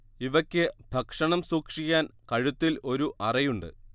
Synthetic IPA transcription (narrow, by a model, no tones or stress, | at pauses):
iʋɐkʲːɨbʱɐkʂɐɳɐmsuːkʂikʲːaːnkɐɻut̪ːilo̞ɾuʔɐrɐjuɳɖɨ̰